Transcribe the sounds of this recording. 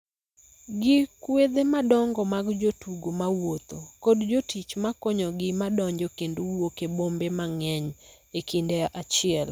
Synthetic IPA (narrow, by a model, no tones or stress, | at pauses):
ɡɪkwed̪emadɔŋɡɔmaɡd͡ʒotuɡomawot̪okodd͡ʒotit͡ʃmakoɲɔɡɪmadɔɲd͡ʒɔkendowokebombemaŋɛɲ | ekindeʔat͡ʃɪɛl